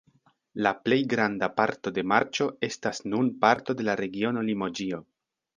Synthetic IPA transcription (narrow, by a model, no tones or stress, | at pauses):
laple̞jɡɾandapaɾto̞de̞maɾt͡ʃo̞e̞stasnunpaɾto̞de̞laɾe̞ɡio̞no̞limo̞d͡ʒio̞